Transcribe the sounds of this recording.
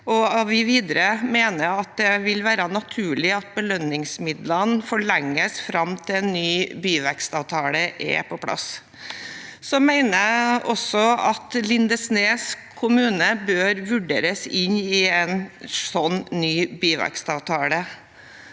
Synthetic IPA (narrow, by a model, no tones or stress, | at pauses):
ɔɑʋʋɪʋiːd̪əɾəmeːnəɑt̪̚d̪ɛʋɪlʋæːɾɑnɑt̪ʰʉːɭɪɑt̪̚bəlœnːɪŋsmɪd̪lənfɔɭɛŋːəsfɾɑmt̪ʰɪlɛnːyːbiːʋækst̪ɑʋt̪ʰɑːləʔɛ̰pʰɔpʰlɑ̰s | sɔmæɪnəɔsɔɑt̪lɪnd̪əsneːskʰʊmʉːnəbøːɾʋʉɖḛːɾəsɪnɪɛnsɔnːnyːbiːʋæ̰kst̪ɑʋt̪ʰɑːlə